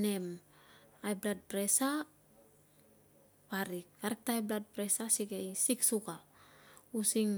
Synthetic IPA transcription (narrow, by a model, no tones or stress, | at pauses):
nem | ajblat̚pɾesa | paɾikkaɾek̚tajblat̚pɾesasikejsiksukalusiŋ